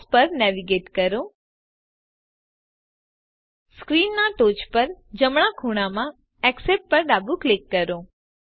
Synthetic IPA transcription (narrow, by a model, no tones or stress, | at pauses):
spəɾnɛʋiɡeʈkəɾo | skɾinːaʈot͡ʃpəɾd͡ʒəmɳ̃akʰuɽ̃amã | ɛkseʈ̚pəɾɖabuklɪkːəɾõ